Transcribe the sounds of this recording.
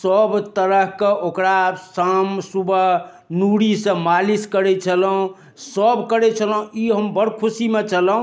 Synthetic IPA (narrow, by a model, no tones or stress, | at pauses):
səbt̪əɾəɦkeʔokɾasamsubʱə | nuɽisə̃maliskəɾɛt͡ʃʰələɦũ | səbkəɾɛt͡ʃʰəlũiɦəmbəɽkʰusimet͡ʃʰələɦũ